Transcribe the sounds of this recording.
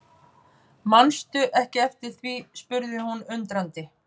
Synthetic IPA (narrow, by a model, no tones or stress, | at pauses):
manst̪ʏʔɛhcɪɛft̪ɪɾ̥θvispʏɾðɪhunʏnt̪ɾant̪ɪ